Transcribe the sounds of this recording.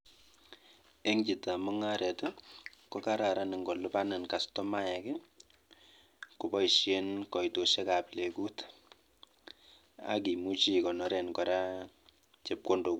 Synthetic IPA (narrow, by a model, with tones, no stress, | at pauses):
e˦ŋd͡ʒi˨ta˨mɔ˦ŋa˦ɾɛ˨ta˦kɔ˦ka˦ɾa˨ɾa˨nɪ˨ŋɡɔ˨lu˦pa˦ne˨nka˨stɔ˦ma˦jɛ˨kɛ˦ | ku˨bɔ˦i˨ʃje˦nkɔ˨ito˨ʃe˦ka˨ple˨ku˦t | a̰˨k̬i˨mu˦t͡ʃi˦kɔ˨nɔ˦ɾɛ˨nkɔ˨ɾa˦ | t͡ʃe˨p̚ko˦ndo˨ku˦